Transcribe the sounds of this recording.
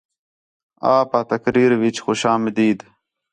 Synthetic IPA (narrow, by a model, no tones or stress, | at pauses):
aːpat̪ɐkɾiːɾwit͡ɕxuɕaːmd̪iːd̪